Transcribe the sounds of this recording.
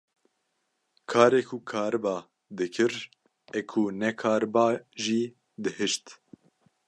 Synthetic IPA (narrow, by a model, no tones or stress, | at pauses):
kʰɑːɾekʰukʰɑːɾɨbɑː | d̪ɨkʰɨɾ | ɛkʰunɛkʰɑːɾɨbɑːʒiː | d̪ɨhɨʃt̪